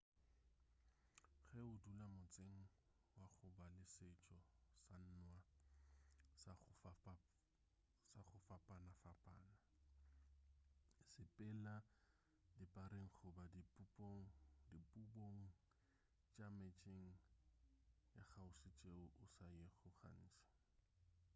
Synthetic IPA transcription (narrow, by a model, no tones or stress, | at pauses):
χɛʊdulamʊt͡sʼeŋ̩ | waχʊbalɪsɪt͡ʃʼɔsan̩nwa | s | saχʊfapʼanafapʼaːna | sɪpʼɪla | dipʼaɾeŋ̩χʰʊbadipʼupʼoŋ̩dipʼuboŋ̩ | t͡ʃʼamet͡ʃʼeŋ̩ | jaχaʊsɪt͡ʃʼeʊʔʊsajeχʊχa̰n̩ːt͡ʃʼḁ